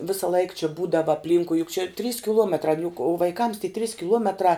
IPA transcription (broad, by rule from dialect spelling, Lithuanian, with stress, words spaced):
ˈʋʲɪsɐ lˠɐɪk t͡ʃʲɪ ˈbuːdɐʋɐ ɐpʲˈlʲiːŋkʊɪ jʊk t͡ʃʲɛ tʲrʲiːs kʲɪˈlˠuɔmʲɛtrɑː n jʊk ʋɐɪˈkɐms tʲiɛ tʲrʲiːs kʲɪˈlˠuɔmʲɛtrɑː